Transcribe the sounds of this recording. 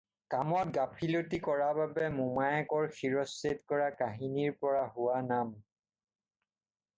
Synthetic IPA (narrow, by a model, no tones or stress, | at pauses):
kamɔt̚ɡapʰilotikɔɹababɛmumajɛkɔɹxʰiɹɔsetkɔɹakaɦiniɹpɔɹaɦʊwanam